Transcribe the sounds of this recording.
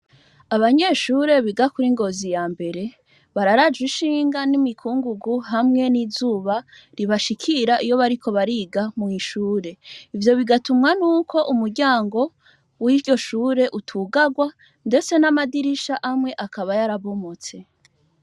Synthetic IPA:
aβaɲe̞ʃuːɾe̞βiɡakuɾiŋɡo̞zijaːmbe̞ɾe̞ | βaɾaɾad͡ʒwiʃiːŋɡanimikʰuːŋɡuɡuɦamŋe̞nizuːβa | ɾiβaʃikʰiɾaʔijo̞βaɾikʰo̞βaɾiɡamuŋiʃuːɾe̞ivjo̞βiɡatumŋanuːkʰo̞ʔumuɾɟaːŋɡo̞ | wiɾɟo̞ʃuːɾe̞ʔutʰuːɡaɡwa | nde̞t͡senamadiɾiʃaʔamŋe̞ʔakaβajaɾaβo̞mo̞t͡se̞

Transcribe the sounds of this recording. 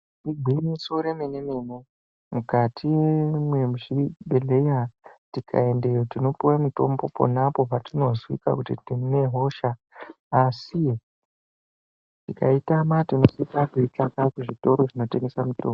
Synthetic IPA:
iɡʱimisoɾemenemene | mukatʰimwemuʃibʱeɮejatikʰa̰e̞nde̞jotino̞puwamuto̞̰mbo̞po̰napo̞patino̞zwḭka̰kutitine̞ɦo̞ʃaː | si | tika̰itamatinosikakuitakakuʐito̞ɾo̞ʐino̞te̞ŋɡe̞samuto̞̰ːmb

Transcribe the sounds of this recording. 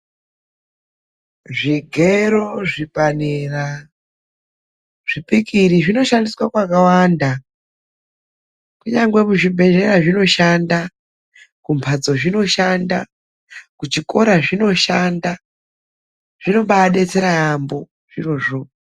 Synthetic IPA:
ʐiɡʱeɾoʐipanera | ʐ̥ipikiɾiʐino̞ʃandiswakwakawanda | kuɲaŋɡwe̞muʐibʱe̞re̞ɾaʐino̞ʃanda | kumpʰad͡zo̞ʐino̞ʃanda̰ | kut͡ʃiko̞ɾaʐino̞ʃanda | ʐ̥ino̞ɓaɗe̞t͡se̞ɾaːmbo̞ | ʐ̥iro̞ːʐo

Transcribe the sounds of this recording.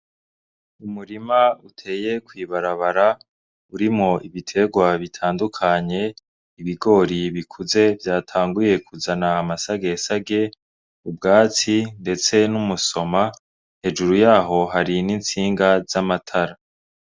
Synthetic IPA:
umuɾimautʰe̞ːje̞kwiːβaɾaβaɾa | uɾimŋo̞ʔiβitʰe̞ɡwaβitʰaːndukʰaɲe̞ | iβiɡo̞ːɾiβikʰuze̞vjaːtʰaːŋɡuje̞kʰuzanaːmasaɡe̞saɡe̞ | ub̚ɡaːt͡sinde̞t͡se̞numuso̞ma | he̞d͡ʒuɾujaːɦo̞ɦaɾinint͡siːŋɡazamatʰaɾa

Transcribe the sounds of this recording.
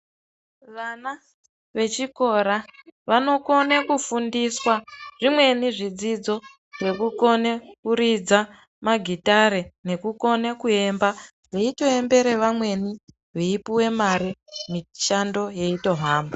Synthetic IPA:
ʋana | ʋe̞t͡ʃiko̞ɾaʋano̞ko̞ne̞kufundiswaʐ̥imwe̞niʐid͡zid͡zo̞ | ʐe̞kuko̞ne̞kuɾid͡za | maɡʱitaɾene̞kuko̞nekue̞mba | ʋeito̞e̞mbe̞ɾe̞ʋamwe̞ni | ʋeipuwe̞maɾimiʃando̞je̞ito̞ɦaːmba

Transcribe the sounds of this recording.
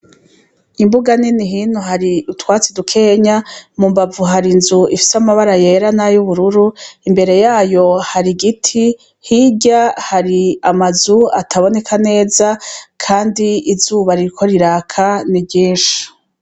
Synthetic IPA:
imbuɡaniniɦiːnhuɦaɾiutwaːt͡sidukʰe̞ːɲamumbavuɦaɾinzuifi̥samaβaɾaje̞ɾanajuβuɾuɾuimbe̞ɾe̞jaːjo̞haɾiɡitʰi | hiɟahaɾiamazuatʰaβo̞ne̞kʰane̞ːzakʰaːndiːzuːβaɾiɾikʰo̞ɾiɾaːkʰanibɟiːnʃu̥

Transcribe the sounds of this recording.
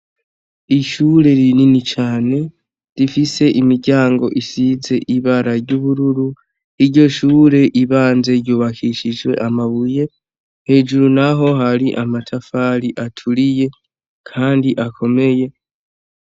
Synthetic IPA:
iʃuːɾe̞ɾininit͡ʃaːne̞ | ɾifise̞ʔimiɾɟaːŋɡo̞̰ʔisize̞ʔiβaɾaɾɟuβuɾuɾu | iɾjo̞ʃuːɾe̞ʔiβaːnze̞ɾjuːβakʰiʃiʒwe̞̰ʔamaβuje̞ | he̞ːʒuɾunaɦo̞ɦaɾiʔamatʰafaɾiʔatʰulije̞ | kʰaːndiʔakʰo̞me̞je̞

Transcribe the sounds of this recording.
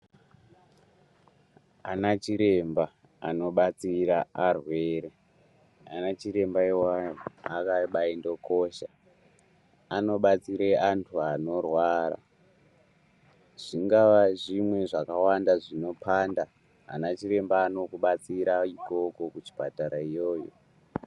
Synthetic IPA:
anat͡ʃiɾe̞mba | a̰no̞ɓat͡siɾaarwe̞ːɾe | a̰nat͡ʃiɾe̞mbaiwajoakaɓaindo̞ko̞ʃa | ano̞ɓat͡siɾeantʰuano̞rwaɾa̰ | ʐ̥iŋɡaʋaʐimwe̞ʐakawandaʐino̞pʰanda̰ː | nat͡ʃiɾe̞mbaːno̞kuɓat͡siɾaiko̞ko̞kut͡ʃi̥pataɾaijo̞ːjo̰

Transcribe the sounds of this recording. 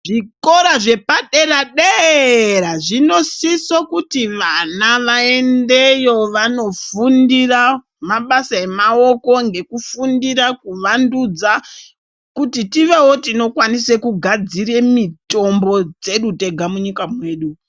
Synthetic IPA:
ʐiko̞ɾaʐe̞paɗeraɗeɾaʐino̞sisokutiʋanaʋae̞nde̞jo̞ʋano̞fundira | maɓasae̞mao̞ko̞ŋɡe̞kufundiɾakuʋandud͡za | kutitiʋe̞wo̞tino̞kwanise̞kuɡʱad͡ziɾe̞mito̞mbo̞d͡ze̞ɗute̞ɡʱamuɲikamwe̞ːɗu

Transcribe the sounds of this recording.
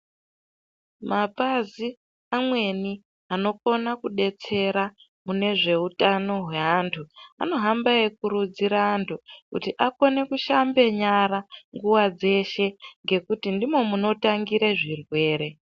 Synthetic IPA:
mapazi | amwe̞ni | ano̞ko̞nakuɗe̞t͡se̞ɾa | mune̞ʐe̞utano̞ɦwe̞ɦaːntʰua̰no̞ɦambaekuɾud͡ziɾaːntʰukṵtiʔako̞ne̞kuʃambe̞ɲaɾaŋɡuwad͡ze̞ʃe̞ŋɡe̞kutindimo̞muno̞taŋɡiɾeʐirwe̞ːɾe̞

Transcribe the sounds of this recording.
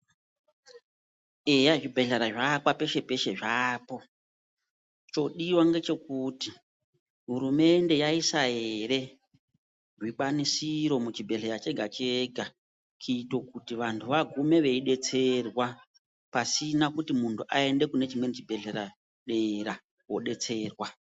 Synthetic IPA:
ejaʐibʱeɮeɾaʐakwape̞ʃe̞pe̞ʃe̞ʐaːpo̞ | t͡ʃo̞ɗiwaŋɡe̞t͡ʃe̞kuti | ɦuɾume̞nde̞jaisaɦe̞ɾe̞ | ʐiɓanisiɾo̞mut͡ʃibʱe̞ɮeɾat͡ʃe̞ɡʱat͡ʃeɡʱa | kiːto̞kutiʋantʰuʋaɡʱume̞ʋe̞iɗe̞t͡se̞rwa | pasinakutimuntʰuʔae̞nde̞kune̞t͡ʃimwe̞nt͡ʃibʱe̞ɮeɾa | ɗeɾa | wo̞ɗe̞t͡se̞ːrwa

